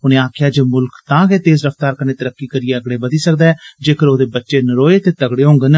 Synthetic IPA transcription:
ʊnẽːaːkʰɪjaːd͡ʒeːmʊlkt̪ãːɡeːt̪eːzɾəft̪aːɾkəneːt̪əɾəkːiːkəɾɪeːəɡɽeːbəd̪iːsək̚d̪aːɛːd͡ʒeːkəɾoːd̪eːbətːʃeːnəɾoːeːt̪eːt̪əɡɽeːɦõːŋɡən

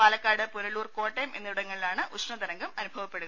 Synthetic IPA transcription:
paːlɐkːaːɽɨpuɾɐluːrko̞ːʈːɐjmʔe̞̰nːɐuɽɐŋːɐɭilaːɳɨʔuʂɳɐd̪ɐɾɐŋɡɐmɐnubʱɐʋɐpːe̞ɽuɣɐ

